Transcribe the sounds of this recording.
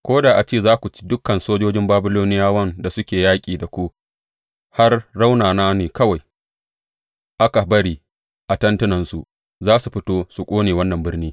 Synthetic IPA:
kʷoː˦daː˨ʔa˨t͡ʃeː˦˨zaː˦kʷu˨t͡ʃi̥˦dʊ˦kːɐ˨nsoː˦d͡ʒoː˦d͡ʒɪ˦mbaː˦bɪ˦loː˦nɪ˦jaː˦wɐ˦nda˨sʊ˦kʲeː˨jaː˦kʲʼiː˨da˨kʷu˦ | ha˦rːa˦wnaː˨naː˦neː˨kɐ˦wa˨j | ʔa˦ka˨bɐ˦ɽiː˨ | ʔa˨tɐ˦ntʊ˦nɐ˨nsu˨ | zaː˦su˨ɸɪ˦toː˦su˨kʷʼoː˦neː˨wɐ˦nːɐ˨mbɪ˦rniː˦

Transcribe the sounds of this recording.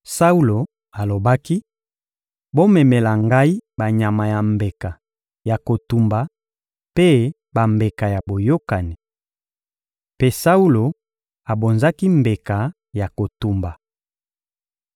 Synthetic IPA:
sa˦u˦lo˨ | a˨lo˨ba˦ki˦ | bo˦mɛ˨me˨la˨ŋɡa˦i˦ba˨ɲa˨ma˨ja˨mbe˨ka˨ | ja˨ko˨tu˨mba˨ | pe˦ | ba˨mbe˨ka˨ja˨bo˨jo˦ka˨ni˨ | pe˦sa˦u˦lo˨ | a˨bo˨nza˦ki˦mbe˨ka˨ | ja˨ko˨tu˨mba˨

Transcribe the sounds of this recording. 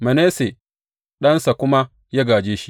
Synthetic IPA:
mɐ˨neː˦se˨ | ɗɐ˦nsa˨kʷʊ˦ma˦ | ja˦ɡaː˨d͡ʒeː˦ʃi˦

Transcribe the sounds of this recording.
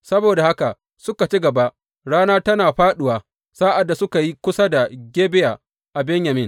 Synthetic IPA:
sɐ˦boː˨da˨ha˦ka˨ | sʊ˦ka˨t͡ʃɪ˦ɡɐ˨ba˦ʔ | ɽaː˦naː˦tɐ˦naː˨ɸaː˦ɗʊ˨waː˨ | saː˦ʔa˨dːa˨sʊ˦ka˨ji˦kʷʊ˦sa˦da˨ɡʲeː˦bɪ˦jaː˨ | ʔa˨bɛ˦ɲja˨mɪ˦n

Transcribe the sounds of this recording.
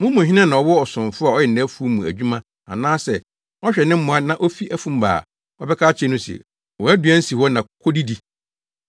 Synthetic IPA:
mʊ̃˦mʊ̃˨ɦɪ˦nã˦nã˨ɔ˨wɔ˦ɔ˨sʊ̃˨ɱfʊ˦a˨ɔ˦jɛ˨n̩˨næ̃˦fu˦o˦mũ˨æ̰˨d͡ʑᶣu˦mã˦ | a̰˨nãː˦sɛ˨ | ɔ˦ɕᶣɛ˨nɪ̃˦m̩˦mʊ̃˨a˦nã˨ʔɔ˦fi˦ʔæ˦fũ˦m˦ba̰ː˨ | ɔ˦bɛ˦kʰaː˦t͡ɕʰɛ˦nʊ̃˦sɛ̰˨ | wɔ˨æ˦dɥæ˦n̩˦si˨hɔ˦nã˨kʰo˦di˦di˦

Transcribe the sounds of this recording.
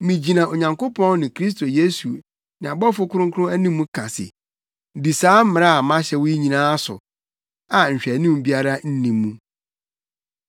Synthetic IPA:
mĩ˨d͡ʑi˨nã˨o˨ɲã˨ŋko˦pʰɔ̃˦n˦nɪ̃˨kʰɾi˦s̬tʰo˨je˦su˨ | nɪ̃˨a˨bɔ˦fʊ˦kʰʊ˦ʊ̃˦ŋkʰʊ˦ʊ̃˦æ˦nĩ˦mːũ˦kʰa˨sɪ̰˨ | di˨saː˨˦m̩˦mɪ̃˨ɾa˦a˨mã˦ɕɛ˨wʊ˦i˦ɲĩ˨nãː˦a˦sʊ̰˨ | a˨ɲ̩˨ɕᶣɛ˨nũ˦m˦bi˦a˦ɾa˦n̩˦nĩː˨ũ˦

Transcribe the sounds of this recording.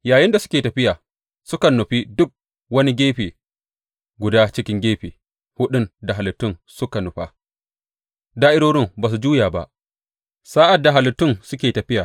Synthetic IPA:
jaː˨jɪ˦nda˨sʊ˦kʲeː˨tɐ˨ɸɪ˦jaː˨ | sʊ˦kɐ˨nːʊ˨ɸi˦dʊ˦k̚ | wɐ˦ni˦ɡʲeː˦ɸeː˨ | ɡʷʊ˨daː˦t͡ʃɪ˦kʲɪ˦ŋɡʲeː˦ɸeː˨ | hʊ˦ɗʊ˦nda˨ɦa˨lʊ˨tːʊ˦nsʊ˦ka˨nʊ˨ɸa̰ː˦ | daː˦ʔɪ˦ɽoː˦ɽɪ˦mbaː˨s̬u˨d͡ʒuː˦jaː˨ba̰˦ʔ | saː˦ʔa˨dːa˨ɦa˨lɪ˨tːʊ˦˨nsʊ˦kʲeː˨tɐ˨ɸɪ˦jaː˨

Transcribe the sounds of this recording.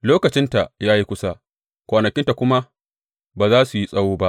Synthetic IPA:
loː˦kɐ˨t͡ʃɪ˦nta˨jaː˦ji˦kʷʊ˦sa˦ | kʷaː˨nɐ˨kʲɪ˦nta˨kʷʊ˦ma˦ | baː˨zaː˦su˨ji˦sʼɐ˦woː˦ba˦ʔ

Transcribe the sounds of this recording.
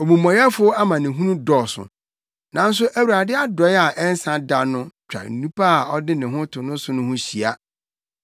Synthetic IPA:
ɔ˨mũ˨mɔ̃˨ja˦fʊ˦ɔ˦a˦mã˨nɪ̃˨ɦũ˦ũ˦dɔ˨sʊ̰˨ | nã˨˦n˦s̬ʊ˦ʔæ˨wu˨ɾa˨dɪ˦a˦dɔ˨˦ja˨ʔɛ˦n˦sã˦da˨nʊ̃˦t͡ɕᶣa̰˨n̩˨nũ˦pʰa˦a˨ɔ˦dɪ˦nɪ̃˨ɦʊ̃˦tʰʊ˨nʊ̃˦sʊ̃˦nʊ̃˦hʊ̃˦ɕi˨a˦

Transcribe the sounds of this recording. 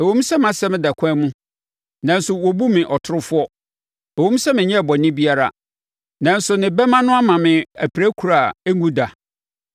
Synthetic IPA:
ɛ˨wõ˦m˦sɛ˦m˦ã˨sɛ˦mɪ̃˦da˨kʷʰã˦mũ˦ | nã˨n˦sʊ˨wɔ˨bu˦mɪ̃˨ʔɔ˨tʰʊ˦ɾʊ˦fʊ˦ɔ˦ | æ˨wõ˦m˦sɛ˦mɪ̃˨ɲɛ̃˦˨bɔ˨nɪ̃˦bi˦a˦ɾa̰˦ | nã˨n̩˦sʊ˨nɪ̃˨bɛ˦mã˦nʊ̃˦a˦mã˨mɪ̃˨æ˨pʰi˨ɾæ˦kʰu˨ɾa˨e˦ŋũ˦da˨

